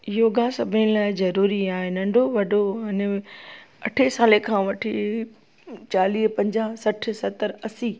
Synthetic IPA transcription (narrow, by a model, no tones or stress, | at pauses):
joːɡãsɐbʱɪnɪlaːɪzɐɾuːɾiaːɦenɐ̃ɳɖʱoʋɐɖoɐn | ɐʈʰesaːlekʰãːʋɐʈʰi | t͡ɕaːliːɦpɐ̃ɲd͡ʑasɐʈʰsɐt̪əɾɐsiː